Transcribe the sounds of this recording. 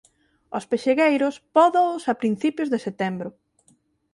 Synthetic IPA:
ospeʃeɣejɾʊspɔðoʊsapɾin̟θipjʊzðeset̪ɛmbɾʊ

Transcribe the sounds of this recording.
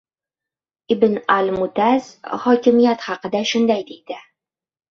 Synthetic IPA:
ibɘnalmut̪æz̥χɒkʲɪ̆mijat̪χɑqɤ̆d̪aʃʊnd̪æjd̪ijd̪ɘ

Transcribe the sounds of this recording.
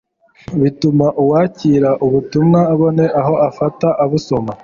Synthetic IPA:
βitumaʔuwaːciːɾaʔuβutumŋaːβo̞ne̞ʔaɦo̞afataʔaβuso̞ma

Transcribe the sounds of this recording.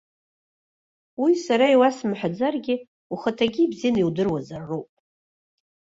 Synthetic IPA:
wisaɾaiwasmħʷad͡zarɡʲɪ | uχətʰaɡʲibziniwdɨrwazarːowpʼ

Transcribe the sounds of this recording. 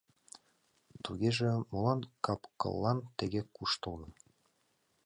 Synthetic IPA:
t̪uɣʲeʒĕmolˠɑnkɑpkɤ̰lˠːɑnt̪ɘ̆ɡʲekuʃt̪ɤ̆lˠnɤ̆

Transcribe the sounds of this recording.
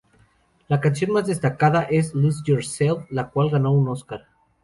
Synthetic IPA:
lakansjo̞nmazðe̞st̪akaðaʔe̞sluzʝoɾselflakwalɣano̞uno̞skaɾ

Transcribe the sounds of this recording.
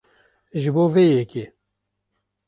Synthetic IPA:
ʒɨboːvejɛke

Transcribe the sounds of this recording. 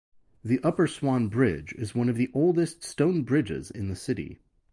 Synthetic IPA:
ðiʔʌpə˞swɑ̃nbɹɪd͡ʒɪ̰zwʌ̃nʌvðiʔoʊlˠdɨststõʊ̃nbɹɪd͡ʒɪ̰zɪ̰̃nðɨsɪɾḭ

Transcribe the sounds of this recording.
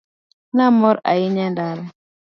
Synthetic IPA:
namɔɾa̰jiɲɛndal

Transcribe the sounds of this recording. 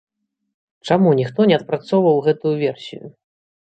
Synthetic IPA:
t͡ʂamunʲixt̪ɔnʲɛɐt̪̚pɾat̪sɔwvɐwɣɛt̪ujuvʲɛrsʲḭjṵ

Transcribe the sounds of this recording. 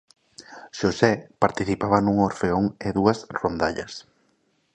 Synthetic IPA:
ʃosɛpaɾt̪iθipaβɐnuŋoɾfeoŋɪðuɐsrond̪aʎɐ̰s

